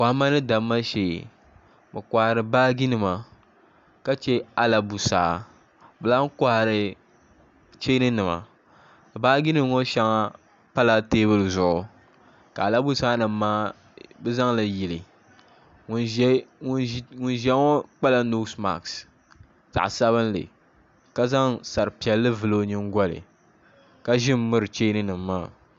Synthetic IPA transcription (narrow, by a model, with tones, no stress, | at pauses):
ka˨hma˦nɨ˦da˨mːa˦ʃeː˨ | bɨ˨kʷa˨ha˨ɾɨ˨baː˦ɡi˦nɨ˨ma˨ | ka˦t͡ʃe˦a˨la˨bu˨sa̰ː˦ | bɨ˨laː˦ŋ˦ka˨˦ha˨ɾɨ˨ | t͡ʃe˦nɨ˦nɨ˨ma̰˨ | baː˦ɡi˦nɨ˦m˦ŋo˦ʃa˦ŋa˦ | pa˦la˦teː˦bɨ˦lɨ˨zʊ˨ʔʊ˨ | ka˨la˦bu˦saː˦nɨ˨m˦maː˦ | bɨ˦za˦ŋla˨ji˨lɨ˨ | ŋ˨˦ | ŋʊ˦n˦ʒɛ˦ŋɔ˦k͡pa˦la˦nu˦sma̰˨ks | za̰˨ʔsa˦βɨ˦n˦lɨ̰˨ | ka˦za˦ŋsa˨ɾɨ˨pi˨ɛ˨lːɨ˦vɨ˨lo˦ɲɨ˦ŋ˦ɡʷɔ˦lɨ̰˨ | ka˦ʒɪ˦mː˦ɨ˦ɾɨ˨t͡ʃe˦nɨ˦nɨ˨mːaː˦